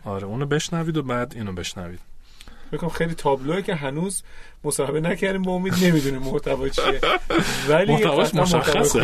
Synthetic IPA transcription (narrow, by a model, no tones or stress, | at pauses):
ɒːɾeuːnobe̞ʃnæviːd̪obæːd̪iːnobe̞ʃnæviːd̪̥ | fekʰomxejliːt̪ʰɒːbloecʰeɦænuːz | mosɒːhebenæcʰæɾd̪iːmbɒomid̪ne̞mid̪uniːmːoht̪ʰævɒːjt͡ʃʰievælmioh̪ævæoht̪æɒ